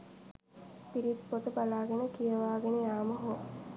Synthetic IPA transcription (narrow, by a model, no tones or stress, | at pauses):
piɾit̪pot̪əbalaːɡenəkijəʋaːɡenejaːməɦo